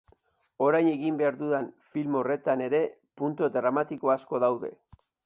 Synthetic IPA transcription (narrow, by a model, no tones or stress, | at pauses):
o̞ɾajɲe̞ɣimbe̞aɾðuðanfilmo̞re̞t̪ane̞ɾe̞ | punt̪od̪ɾamat̪iko̞asko̞ðawðe̞̰